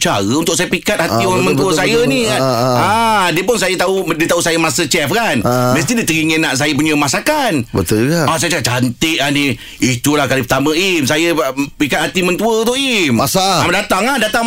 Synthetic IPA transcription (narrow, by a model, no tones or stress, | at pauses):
t͡ʃaɾəunt̪ʊkʔsajəpikat̪̚hat̪ioɾamənt̪uəsajənikaadiəpʊnsajət̪audiət̪aɦusajəmasət͡ʃɛfkanməst̪idit̪əɾiŋənaʔs̬ajəp̬uɲə̃masakanbət̪ʊlɡaasajət͡ʃakat͡ʃant̪ɪʔani | it̪ulahkalipərt̪amə̃imsajəpikat̪̚hat̪imənt̪uəut̪ʊʔimasaamdat̪aŋahdat̪aŋ